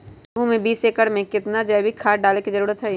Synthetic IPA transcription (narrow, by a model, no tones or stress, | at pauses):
ɡʱũmẽbiːseːkəɽmẽkɪt̪nad͡ʒɛːbʱikʰaːʈ̚ɖaːlekizɐɾuːɾət̪ɦɛ